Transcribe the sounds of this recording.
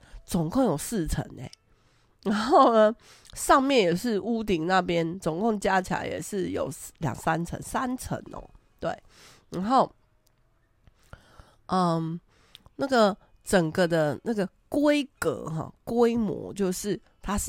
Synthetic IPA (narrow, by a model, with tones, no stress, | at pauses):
t͡sɔ˨˩ŋko˥˩ŋjo˨˩ʊsɹ̩˥˨t͡sʰə̰˧˦nḛ˨˦ | ɻa˨˧˦nxo˥˩ʊnə˩ | ʂɑ˥˧ŋmjɛ˥˨njɛ˨˩ʂɻ̩˥˩ʔu˥t̪̬i˧˩ŋna˥˨pjɛ˦nt͡so˨˩ŋko˥˩ŋt͡ɕja˦˥t͡ɕʰi˨a̰˧˦ɪjɛ̰˨˩ʂɻ̩˥˩jo̰˨˩ʊljɑ̰˨˩ŋsa˦nt͡sʰə̰˧˦nsa˦nt͡sʰə̰˧˥nɔ̰˨˦ | t̪we˥˩ɪ | ɻa˧˥nxo˥˩ʊ | ʔə˨ | na˥˩ɡə˨˩ | ʈ͡ʂə˨˩ŋɡə˩d̪ə˨na˥˩ɡə˩ | kwe˦ɪkə̰˧˦ɦɑ̰˨˩kwe˦˥ɪmwɔ̰˧˥t͡ɕjo˥˧ʊʂɻ̩˥˩ | t̪ʰa˦